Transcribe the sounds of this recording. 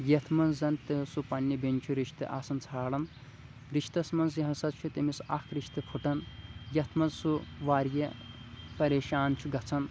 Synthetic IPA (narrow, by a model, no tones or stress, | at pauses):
jɐt̪ʰmɐnzzɐnt̪esupɐnʲːibʲinʲt͡ʃʰuɾiʃʰt̪ɨʔaːsɐnt͡sʰaːɽɐn | ɾiʃʰt̪ɐsmɐnzjɐɦɐ̃nsɐt̪̚t͡ʃʰut̪ɐmisɐkʰɾit͡ʃʃʰt̪ɨpʰuʈɐnjɐt̪ʰmɐnzsuʋaːɾjɐpɐɾeːʃaːnt͡ʃʰuɡɐt͡sʰɐn